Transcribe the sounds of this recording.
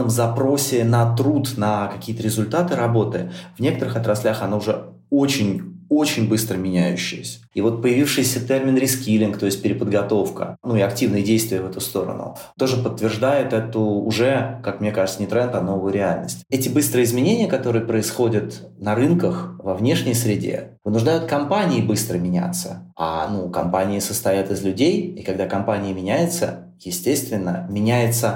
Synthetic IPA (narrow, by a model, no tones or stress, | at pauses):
əmzɐpɾo̞sʲɪnɐt̪ɾut̪nəkɐkʲijət̪əɾʲɪzʊlʲt̪at̪ɨɾɐbo̞t̪ɨvnʲe̞kət̪əɾɨxɐt̪ɾɐsʲlʲaxɐnoʊʐɛ | o̞t͡ɕɪnʲo̞t͡ɕɪnʲbɨst̪ɾəmʲɪnʲæjʉ̰ɕːɪ̰jəsʲə̥ivo̞t̪̚pəjɪvʲifʂɨjsʲət̪ɛrmʲɪnɾʲɪskʲilʲɪnkt̪o̞ɪsʲt̚ʲpʲɪɾʲɪpəd̪ɡɐt̪o̞fkə̰nuɪɐktʲivnɨjədʲejst̪vʲɪjəvɛt̪ʊst̪o̞ɾə̰nʊ̰ | t̪o̞ʐɨpət̪ːvʲɪrʐd̪ajɪt̪ɛt̪ʊʊʐɛkakmnʲekaʐɨt̪sənʲɪt̪ɾɛnt̪ɐno̞vʊjʊɾʲɪalʲnə̰sʲtʲɛtʲɪbɨst̪ɾɨjəɪzmʲɪnʲenʲɪjəkɐt̪o̞ɾɨjəpɾəɪsxo̞dʲət̪ | nɐɾɨnkəxvɐvnʲe̞ʂnʲɪjsɾʲɪdʲḛ | vɨnʊʐd̪ajʊt̪̚kɐmpanʲɪːbɨst̪ɾəmʲɪnʲæ̰t̪sə̰a̰nukɐ̰mpanʲɪɪsəst̪ɐjat̪ɨzlʲʉdʲejikɐɡd̪akɐmpanʲɪjəmʲɪnʲæjɪt̪sə | jɪsʲtʲe̞st̪vʲɪnːəmʲɪnʲæjɪt̪sə